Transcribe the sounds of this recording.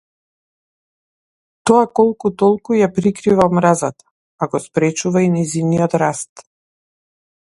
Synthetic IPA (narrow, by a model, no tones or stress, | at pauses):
t̪ɔakɔlˠkut̪ɔlˠkujapɾikɾivaɔmɾazat̪ḁ | aɡɔspɾɛt͡ʃuvainɛziniɔt̪ɾast̪